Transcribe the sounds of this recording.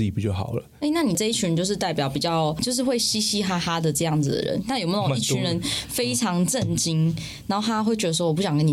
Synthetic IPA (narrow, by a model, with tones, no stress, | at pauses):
i˨˩pi˨˩t͡ɕjʊxɑ̰˨˩ʊlə˦e˥˧ɪna˥˩ni˨˩ʈ͡ʂɤ˥˧i˥˩y˨˥ɻə˧nt͡ɕjo˥˧ʊʂɻ̩˧t̪a˥˩ɪpjɑ˨˩˦ʊpi˨˩t͡ɕjɑ˥˩ʊt͡ɕjo˥˧ʊʂ̬ɻ̩˥˧xwe˥˩ɪɕi˥ɕi˥xa˥xa˥d̪ə˨ʈ͡ʂɤ˥˧jɑ˥˩ŋd͡zɨ˨˩d̪ə̰˩ɻə̰˧˦nt̪a˥˩jo˨˩me˧˥o˨˧˨i˥˩t͡ɕʰy˧˥nɻə˧˦nfe˥ɪʈ͡ʂʰɑ˨˧˥ŋʈ͡ʂə˥˨˩nt͡ɕi˦ŋ | na˨˦nxo˥˩t̪ʰa˥xwe˥˩ɪt͡ɕɥɛ˧˥d̪ʂwp̬u˥ɕɑ˨ŋkə˥ni˨˩